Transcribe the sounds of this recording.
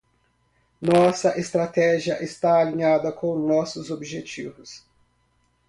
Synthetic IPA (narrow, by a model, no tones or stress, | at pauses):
nɔsɐʔest̪ɾat̪ɛʒiɐʔest̪aːlĩɲad̪ɐkʰõw̃nɔsʊzobiʒet͡ʃivʊs